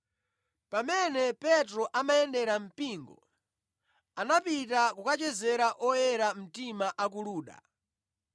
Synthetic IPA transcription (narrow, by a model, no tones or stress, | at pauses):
pamɛnɛpɛtɾɔʔamaɛndɛɾam̩piŋɡɔ̰ | anapitakukat͡ʃɛzɛɾaʔɔjɛɾam̩timaʔak̬uluːɗa̰